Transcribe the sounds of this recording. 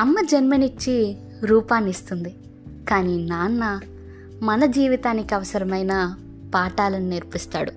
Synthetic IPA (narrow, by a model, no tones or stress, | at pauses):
ɐmːɐd͡ʒɐnmɐnit͡ʃːi | ɾuːpaːnːist̪und̪i | kaːniːnaːnːɐ | mɐnɐd͡ʒiːʋit̪aːnikiɐʋɐsɐɾɐmɐjnaː | paːʈaːlɐnineɾpist̪aːɽu